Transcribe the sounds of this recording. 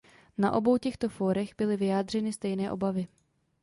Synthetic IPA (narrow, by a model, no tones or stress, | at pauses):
na̰ʔo̞bo̞wcɛxt̪o̞foːɾɛɣbɪlɪvɪjaːd̪r̝ɛnɪst̪ɛjnɛːʔo̞bavɪ